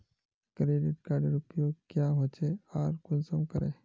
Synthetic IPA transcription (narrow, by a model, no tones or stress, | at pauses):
kɾeɖiʈkaɖiɾupjokjaɦot͡ʃeaɾkunsəmkəɾḛ